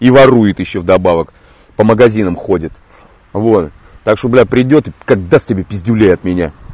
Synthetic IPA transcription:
ivɐrujɪt̪jɪɕːovd̪ɐbavək | pəməɡɐzʲinəmxodʲɪt̪ | vo̞t̪ | t̪ːakʂt̪oblʲapɾʲɪdʲo̞t̪ɨkaɡ̚d̪asʲt̪ʲɪbʲepʲɪzʲdʲʊlʲejɐt̪mʲɪnʲa̰

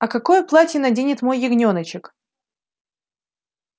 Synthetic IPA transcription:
ɐkɐko̞jplˠatʲjɪnɐdʲenʲɪt̪mo̞jːɪɡnʲonət͡ɕɪk

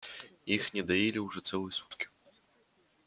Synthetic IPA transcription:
ixnʲɛd̪ajelʲiwʐɔt̪sɛlˠɨjɛsut̪kʲi̥

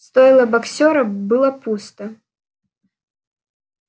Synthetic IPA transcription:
st̪ɔjlˠɐbaksʲɔɾɐbɨlˠɐpust̪ɐ

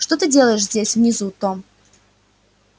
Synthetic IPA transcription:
ʂt̪ot̪ɨdʲelˠəjɪʂzʲdʲesʲvnʲɪzut̪o

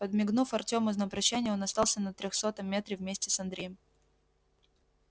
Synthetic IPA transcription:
pəd̪mʲɪɡnufɐrtʲo̞mɨznəpɾɐɕːænʲɪjəo̞nɐst̪ɑlˠsʲənət̪ɾʲoxso̞t̪əmʲːe̞t̪ɾʲɪvmʲesʲtʲɪsɐnd̪ɾʲejɪm

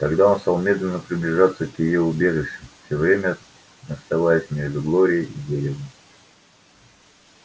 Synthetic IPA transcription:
t̪ɐɡd̪ao̞nst̪alˠmʲe̞d̪lʲɪnːəpɾʲɪblʲɪʐat̪səkjɪjoʊbʲe̞ʐɨʂɪfsʲovɾʲemʲə | ɐst̪ɐvajəsʲmʲe̞ʐd̪ʊɡlˠo̞ɾʲɪjəidʲeɾʲɪvə

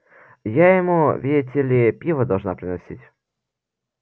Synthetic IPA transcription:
jajɪmuvʲidʲɪt̪ʲɪlʲɪpʲivəd̪ɐlˠʐnapɾʲɪnɐsʲitʲ

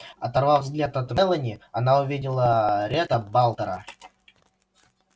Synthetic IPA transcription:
ɐt̪ɐrvavzɡlʲat̪ɐt̪mɛlˠənʲɪɐnaʊvʲidʲɪlˠəɾʲet̪əbalˠt̪əɾə̰

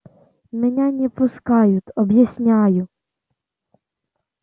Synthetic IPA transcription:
menʲanʲɛp̪ˠʊskɑjʊt̪ʲɔbjasʲnʲɑjʊ

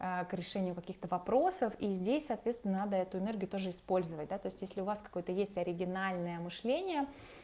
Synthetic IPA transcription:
əkɾʲɪʂɛnʲɪjʊkɐkʲixt̪əvɐpɾo̞səfizʲdʲesʲsɐːt̪vʲet̪st̪vʲɪnənad̪əɛt̪ʊɪnɛrɡʲɪjʊt̪o̞ʐɨɪspo̞lʲzəvət̚ʲd̪at̪o̞ɪsʲtʲjesʲlʲɪʊvaskɐ̥ko̞jət̪əjesʲtʲɐɾʲɪɡʲɪnalʲnəjəmɨʂlʲenʲɪjə

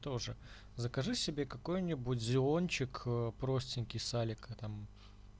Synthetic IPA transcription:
t̪o̞ʐɨ | zəkɐʐɨsʲɪbʲe̞kɐko̞jnʲɪbʊtʲzʲɪo̞nʲt͡ɕɪkːpɾo̞sʲtʲɪnʲkʲɪjsalʲɪkət̪am

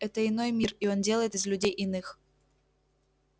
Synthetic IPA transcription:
ɛt̪əɪno̞jmʲirio̞ndʲe̞lˠəjɪt̪ɨzlʲʉdʲejʔɪnɨx

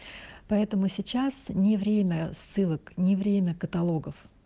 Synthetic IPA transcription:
pɐɛt̪əmʊsʲɪt͡ɕasnʲɪvɾʲemʲəsːɨlˠəknʲɪvɾʲemʲəkət̪ɐlˠo̞ɡəf

